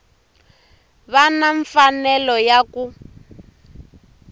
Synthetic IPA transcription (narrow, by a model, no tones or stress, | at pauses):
βanaɱfanɛlɔjaku